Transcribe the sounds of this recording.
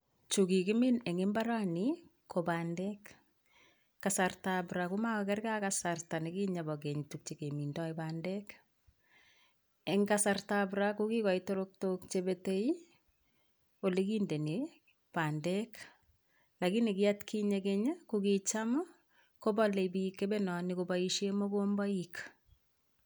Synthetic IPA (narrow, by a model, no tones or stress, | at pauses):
t͡ʃukikɪminɛŋɪmbaɾani | kobandɛk | kːasartabɾakumakɔkɛrkakasartanikiɲabɔkeɲtuk̚t͡ʃekemindɔibaːndɛk | ɛŋɡasartabɾakukikaitoɾok̚tokt͡ʃebetei | olekindene | pandɛk | lakinikɪatkʰiɲekeɲakukit͡ʃama | kobalebikːebenɔnɪkobaiʃemɔkombaik